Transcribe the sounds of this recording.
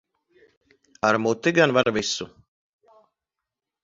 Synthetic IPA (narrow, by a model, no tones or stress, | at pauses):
aɾmut̪iɡanvaɾvisu